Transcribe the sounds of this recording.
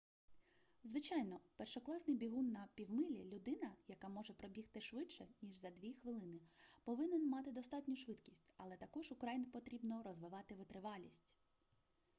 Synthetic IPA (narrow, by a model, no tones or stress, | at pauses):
zʋɪt͡ʃɑjnɔpɛrʃɔklˠɑsnɪjbʲiɦunːɐpʲiwmɪlʲilʲʊd̪ɪnɐjɐkɑmɔʒɛpɾɔbʲixt̪ɪʃʋɪt͡ʃʃɛnʲiʒzɐd̪ʲʋʲixʋɪlˠɪnɪpɔʋɪnɛnmɑt̪ɪd̪ɔst̪ɑtʲnʲʊʃʋɪt̪kʲisʲtʲɐlˠɛt̪ɐkɔʒʊkɾajinɪpɔt̪ɾʲibnɔɾɔzʋɪʋɑt̪ɪʋɪt̪ɾɪʋɑlʲisʲtʲ